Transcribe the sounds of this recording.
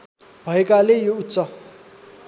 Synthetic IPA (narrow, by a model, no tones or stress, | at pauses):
bʱʌekalejout̪ːt͡sʌ